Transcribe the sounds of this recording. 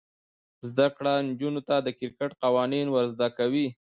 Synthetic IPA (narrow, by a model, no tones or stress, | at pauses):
zd̪akɽand͡ʒunot̪ad̪əkɪɾkaʈqawɑninwaɾzd̪akawi